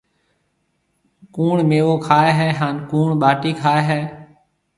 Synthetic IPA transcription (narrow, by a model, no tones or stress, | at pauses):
kuːɳmeːʋoːkʰaːeːɦɛːɦaːnkuːɳɓaːʈiːkʰaːeːɦɛː